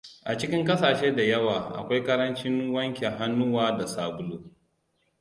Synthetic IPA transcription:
ʔa˨t͡ʃɪ˦kʲɪ˦ŋkɐ˦saː˨ʃeː˦da˨jɐ˦waː˨ʔa̰˨kʷa˦jkɐ˦ɾɐ˦nt͡ʃɪ˦ŋwɐ˦ŋkʲe˨ɦa˦nːʊ˦waː˦da˨saː˨bʊ˦luː˦

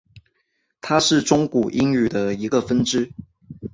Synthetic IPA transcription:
t̪ʰa˥ʂɻ̩˥˩ʈ͡ʂʊ˥ŋku˨˩ʔi˥ŋy˨˩d̪ə˦i˧˥ɡə˧fə˥nʈ͡ʂɻ̩˥

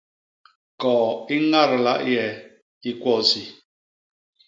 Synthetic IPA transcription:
kɔː˨i˦ŋa˦ɾla˦ʔjɛ˨ | i˦kʷwɔ˦˨si˨

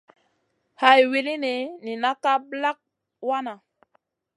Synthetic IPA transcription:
ha˨jwi˦li˦ni˨ni˨na˦ka˦bla˦k̚ | wa˦na˨

